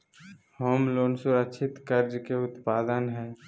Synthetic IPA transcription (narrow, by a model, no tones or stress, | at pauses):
hoːmloːnsʊɾəʃʰɪt̪kəɾd͡ʒkeʊt̪paːd̪ənɦɛː